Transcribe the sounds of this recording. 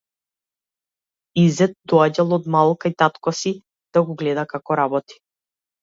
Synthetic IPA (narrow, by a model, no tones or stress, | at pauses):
izɛt̪̚d̪ɔaɟalˠɔd̪malˠkajt̪at̪kɔsi | d̪̥aɡɔɡlɛd̪akakɔɾabɔt̪i̥